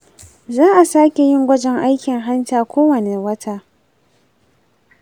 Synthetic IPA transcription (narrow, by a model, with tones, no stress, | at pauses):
zaː˦ʔa˨saː˦kʲe˨jɪ˦ŋɡʷɐ˦d͡ʒɛ˦ŋʔa˦jkʲɪ˨ŋɦa˦ntaː˨kʷoː˦wɐ˨ne˨wɐ˦tʰaː˦